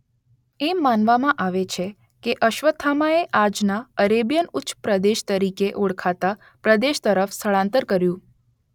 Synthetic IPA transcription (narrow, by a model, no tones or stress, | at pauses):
emːanʋamãʔaʋet͡ʃʰe | keʔəʃʋət̪ʰːamaeʔad͡ʒnaəɾebjənʊtːt͡ʃʃpɾəd̪eʃt̪əɾikeʔoɽkʰat̪a | pɾəd̪eʃt̪əɾəfst̪ʰəɭãnt̪əɾkəɾjũ